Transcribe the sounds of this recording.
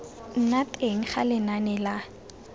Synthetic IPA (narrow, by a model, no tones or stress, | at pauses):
n̩natʼeŋ̩χa̰lɪnanɛla